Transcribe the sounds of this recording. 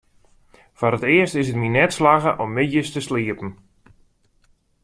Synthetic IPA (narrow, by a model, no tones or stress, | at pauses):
fɔɾətɪəstɪsətminɛtslaɣəʔɔmːɪjəstəsliəpən̩